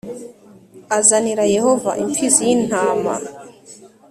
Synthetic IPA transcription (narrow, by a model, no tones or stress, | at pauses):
azaniɾaje̞hova̰ʔimpʰizijin̥haːma̰